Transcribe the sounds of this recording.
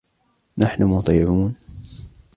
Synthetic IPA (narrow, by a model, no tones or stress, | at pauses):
naħnʊmʊt̪ˤiːʕuːn